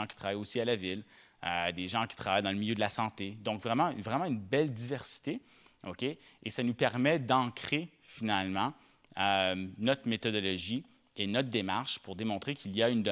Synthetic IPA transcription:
ki̥t̪χavajosialavil | ød̪eʒɑ̃kʲi̥t̪χavajd̪ɑ̃ləmiljød̪lasɑ̃t̪ed̪ɔ̃kvʁɛmɑ̃vʁɛmɑ̃ynbɛld̪ivɛʁsi̥t̪e | okʲeːsanupɛʁmɛd̪ɑ̃kχe | finalmɑ̃ | ønɔt̪χmet̪ɔd̪ɔlɔʒi | enɔt̪̚d̪emaʁʃpuʁd̪emɔ̃t̪χekʲʰiliaynd̪ə

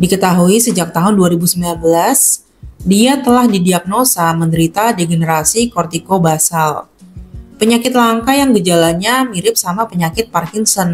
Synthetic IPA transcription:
dikət̪aɦuisəd͡ʒak̚t̪aɦʊnduaɾibusəmbilanbəlas | diat̪əlahdidiap̚nosaməndəɾit̪adeɡenəɾasikɔrt̪ikobasal | pəɲakɪt̪̚laŋkajaŋbəd͡ʒalaɲamiɾɪp̚samapəɲakɪt̪̚parkɪŋsɔn

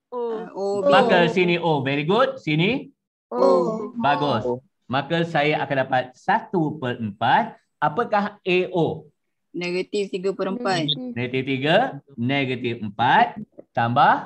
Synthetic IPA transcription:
omakəsiniʔovɛɾiɡud̚sini | obaɡʊs | makəsajaʔakandapat̪̚sat̪upəɾəmpat̪̚ | apəkaheʔo | neɡət̪ift̪iɡəpəɾəmpat̪̚nɛɡət̪ift̪iɡəneɡət̪ifəmpat̪̚t̪ambah

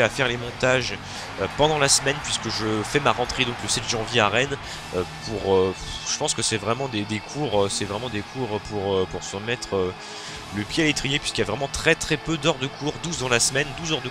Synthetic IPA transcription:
afɛʁlemɔ̃t̪aʒ | øpɑ̃d̪ɑ̃lasmɛnpɥiskəʒəfɛmaʁɑ̃t̪χed̪ɔ̃kləsɛt̪ʒɑ̃vjeaʁɛn | øpʰuʁøʒ̥əpɑ̃skəsɛvʁɛmɑ̃d̪ed̪ekʰuʁøsɛvʁɛmɑ̃d̪ekʰuʁpuʁøpuʁsyʁmɛt̪χø | ləpjealet̪χijepɥiskʲiljavʁɛmɑ̃t̪χɛt̪χɛpød̪œʁd̪əkʰuʁd̪uzd̪ɑ̃lasmɛnd̪uzœʁd̪ə

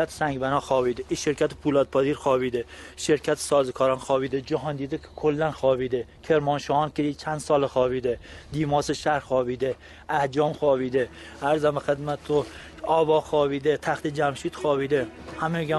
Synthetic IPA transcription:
at̪ʰsaŋɡʲbanɒχɒbid̪ɪʔiʃɪɾkʲʰat̪ɪ̥pʰulɒt̪̚pʰɒziɾχɒːbid̪ɪʃɪɾkʲʰat̪ʰɪ̥sɒːzɪkʰɒɾɒnχɒbid̪ɪd͡ʒɒɦɒnd̪id̪ɪkʰʲkʰolːanχɒːbid̪ɪkʲʰe̞ɾmɒnʃɒhɒnkʲed̪it͡ʃʰand̪sɒlɪχɒbid̪ɪd̪imɒsɪʃaɾχɒːbid̪ɪ | ahd͡ʒɒmχɒbid̪ɪ | aɾzamɪχɨd̪mat̪ʰːʊ | ɒbɒχɒːbid̪ɪt̪ʰaχt̪ɪd͡ʒamʃit̪χɒbid̪ɪhameɡʲa

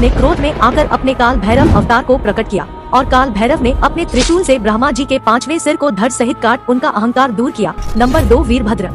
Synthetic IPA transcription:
nekɾoːd̪mẽʔaːkəɾʔɐ̰pnekaːlbʱɛːɾəʋɐ̰ʋt̪aːɾkopɾɐkəʈ̚kija̰ː | ɔːɾkaːlbʱɛːɾəʋneɐpnet̪ɾɪʃuːlsebɾaːmad͡ʒiːkepãːt͡ʃʋẽsɪɾkod̪ʱɐɾsɐɦɪt̪̚kaːɾʈʊnkaʔɐɦə̃ŋkaːɾd̪uːɾkija̰ːnɐ̃mbəɾd̪oːʋiːɾbʱɐd̪ɾə

